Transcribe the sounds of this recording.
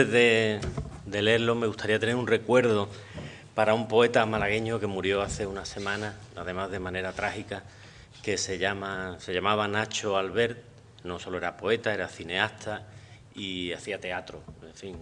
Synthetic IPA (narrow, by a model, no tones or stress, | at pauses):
eðe̞ | d̪e̞le̞ɾlo̞meɣust̪ʰaɾiat̪e̞ne̞ɾunre̞kwe̞ɾðo̞ | paɾaumpo̞e̞t̪amalaɣe̞ɲoke̞muɾjo̞aθe̞unase̞mãnaaðe̞mazðe̞mãne̞ɾat̪ɾahika | ke̞se̞ʎamase̞ʎamaβanat͡ʃoalβe̞ɾt̪̚ | no̞so̞lo̞e̞ɾapo̞e̞t̪ae̞ɾaθine̞ast̪ʰa | iaθiat̪e̞at̪ɾoe̞ɱfiŋ